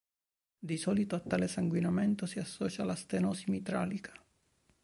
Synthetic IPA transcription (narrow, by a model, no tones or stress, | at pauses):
d̪isɔlit̪oat̪ːalesaŋɡwinamɛnt̪osiasːɔːt͡ʃalast̪enɔsimit̪ɾa̰ːlikʰḁ